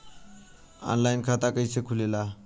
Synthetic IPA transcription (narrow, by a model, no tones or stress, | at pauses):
ɔ̰nlajnkʰat̪akəjsekʰulela